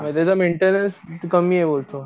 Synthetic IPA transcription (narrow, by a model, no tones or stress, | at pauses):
mət̪at͡sameɳʈenənskəmiːebolt̪o